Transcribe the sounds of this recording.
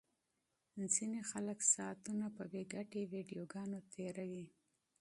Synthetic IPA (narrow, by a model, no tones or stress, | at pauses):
nzinexaləksɑt̪unapəbeɡaʈewiɖijoɡɑnot̪ʰeɾawi